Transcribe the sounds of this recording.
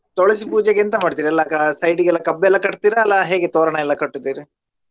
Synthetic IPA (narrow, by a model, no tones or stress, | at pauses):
t̪ɔɭɐsipuːd͡ʒeɡeɐnt̪ɐmaːɖt̪iːɾiɐlːɐksɐjɖiɡɛlːɐkɐbːɛlːɐkɐʈt̪iːɾɐːlːɐɦe̞ːɡet̪ɔːɾɐɳɐɛlːɐkɐʈːut̪iːɾi